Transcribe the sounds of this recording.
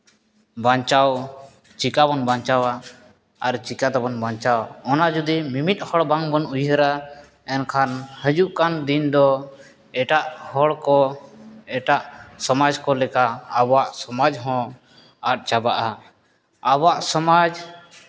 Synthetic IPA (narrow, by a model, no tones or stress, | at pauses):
bãɲt͡ʃaw | t͡ʃikabɔnbaɲt͡ʃawaː | ɾt͡ʃikat̪abɔnbãɲt͡ʃawaɔnad͡ʒud̪imimit̪̚ˀhɔɽbaŋbɔnujɦəɾa | ɛnkʰanhəd͡ʒuʔkand̪ind̪ɔ | ɛʈaʔhɔɽkɔ | ɛʈaʔsɔmad͡ʒkɔlɛkaːbɔwaʔsɔmad͡ʒɦɔ̃ | aʈ̚ˀt͡ʃabaʔa | abaʔsɔmad͡ʒ